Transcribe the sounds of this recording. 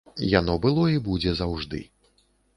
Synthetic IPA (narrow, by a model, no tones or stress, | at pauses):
janɔbɨlˠɔibud͡zʲɛzawʐd̪ɨ̰